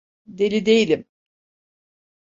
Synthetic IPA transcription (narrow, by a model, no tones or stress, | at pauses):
d̪elʲid̪e̞jilʲim